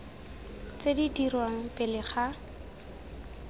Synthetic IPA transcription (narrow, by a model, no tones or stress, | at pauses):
t͡sedidirwaŋ̩pʼɪlɪχa